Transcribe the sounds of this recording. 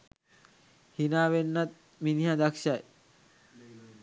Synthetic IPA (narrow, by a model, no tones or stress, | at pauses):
hinaːʋenːat̪̚ | miniɦad̪akʃaj